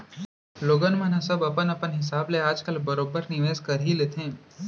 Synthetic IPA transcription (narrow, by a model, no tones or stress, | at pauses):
loːɡənmɐ̃nɐ̃sɐbɐpənɐpənɦɪsaːbleaːd͡ʒkəlbɐɾoːbəɾnɪʋeːzkɐɾɦilet̪ʰẽː